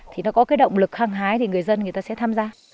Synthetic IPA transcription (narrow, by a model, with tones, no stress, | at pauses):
t̪ʰi˨˩nɔ˨˦kɔ˨˦kaː˨˦jɗə̰˧˨wŋ͡mlɨ˨˩k̚haː˧ŋɦaː˨˦jt̪ʰi˨˩ŋɨ˨˩əjzə˧nŋ˨˩əjt̪aː˧sɛ̰˧˥t̪ʰaː˧mzaː˧